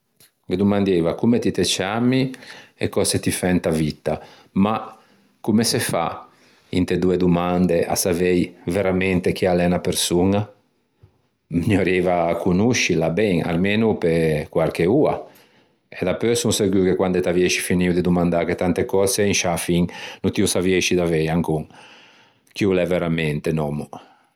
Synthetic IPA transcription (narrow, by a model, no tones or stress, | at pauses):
ked̪umand̪evakumet̪it̪et͡ʃamiḛkɔset̪ifɛnt̪avit̪ːa | ma | kumesefa̰ | ḭnt̪ed̪ued̪umand̪eʔa̰savejveɾamɛnt̪ek̟ialɛnapeɾsuŋa | ɲoɾevakunuʃilabɛŋa̰lmeːnupekwaɾkeua̰ | ɛd̪apøsuŋseɾɡwikekwand̪et̪aviɛʃi̥finiud̪id̪umand̪aket̪ant̪ekɔːzeinʃafiŋnut̪iusavieʃid̪avejaŋkuŋ | kiulɛveɾamɛnt̪enɔmu